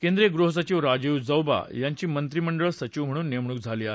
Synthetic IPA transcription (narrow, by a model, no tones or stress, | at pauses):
kend̪ɾeɡɾuɦəs̬ət͡ɕiʋɾad͡ʑiwd͡zəwba̰jaɲt͡ɕiːmənt̪ɾiməɳɖəɭsət͡ɕiʋm̤əɽ̃uːnːemɳuːk̚d͡zʱaliːaɦe